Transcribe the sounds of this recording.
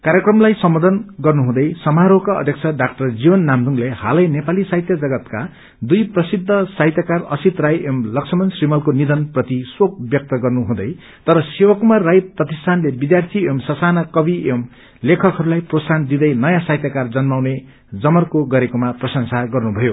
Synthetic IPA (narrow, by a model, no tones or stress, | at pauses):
kaɾjekrʌmlajsʌmːʌd̪ʌnɡʌrnuɦũd̪ʌjsʌmaɾokaʌ̰d̪ʱjʌk̚t͡sʰʌɖak̚ʈʌrd͡zibʌnːamd̪uŋlehalʌjnepalisajt̪jʌd͡zʌɡʌt̪ka | d̪ujprʌsid̪ʱːʌsajt̪jakarʌsit̪rajʔemlʌksʰʌmʌnsrimʌlkonid̪ʌnprʌt̪iswok̚bjʌk̚t̪ʌɡʌrnuɦũd̪ʌj | t̪ʌɾʌsewʌkumarːajprʌt̪istʰanlebid̪jart̪ʰiemsʌsanakʌbiem | lekʰʌkɦʌɾulajprosand̪id̪ʌjnʌjãsajt̪jakard͡zʌnmawne | d͡zʌmʌrkoɡʌɾekomaprʌsʌŋsaɡʌrnubʱʌjo